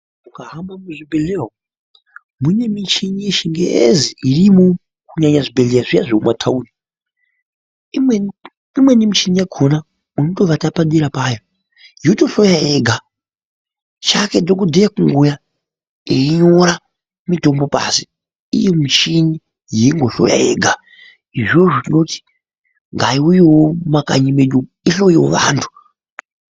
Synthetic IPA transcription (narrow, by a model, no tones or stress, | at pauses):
ukaɦamamuʐibeleɦo | mune̞mit͡ʃiɲijeʃiŋɡḛʔḛziirimo | kuɲaɲaʐibeɮejaʐija̰ʐoumwatʰauni | me | imwe̞nimit͡ʃinijaɡʰʱona | unoto̞ʋatapaɗiɾapaːjo | joto̞ɬojaeɡʱa | t͡ʃakedok̬udʱejakuŋɡuja | eiɲoɾa | mito̞mbo̞pa̰si | ḭjemit͡ʃiɲi | jeiŋɡoɬo̰ja̰jeːɡʱa | iʐo̞ʐotino̞ti̥ | ŋɡaiujewomaka̰ɲimeɗu | iɬo̞jiwo̰ʋa̰ːntʰu̥